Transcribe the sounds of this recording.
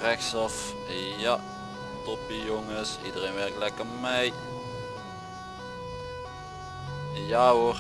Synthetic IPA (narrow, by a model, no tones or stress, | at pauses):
rɛksɑf | ja | tɔpijoŋəsḭdərejnʋɛrklɛkəmɛj | jaor